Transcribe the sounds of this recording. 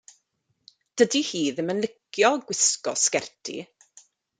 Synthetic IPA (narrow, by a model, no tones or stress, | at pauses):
d̥ədihiːðɪmənlɪkjɔɡwɪskɔskɛrtʰḭ